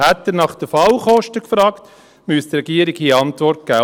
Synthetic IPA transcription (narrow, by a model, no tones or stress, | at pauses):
hæt̪dəɾnɑχd̥̪əfɑlχɔʃtəkfɾɑːkt̪ | myst̪ɾɛɡiəɾɪɡhiːɑntʋɔrt̚ɡ̥æ̰ː